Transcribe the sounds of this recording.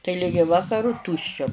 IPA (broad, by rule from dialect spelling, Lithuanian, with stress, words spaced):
tɐɪ ˈlʲɪɡʲɪ ˈʋɑːkɐrʊ ˈtuːʃʲt͡ʃʲɛ